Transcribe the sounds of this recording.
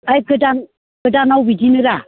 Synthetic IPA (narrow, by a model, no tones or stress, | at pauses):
ajkɯdan | kɯdanawbidinɯɾa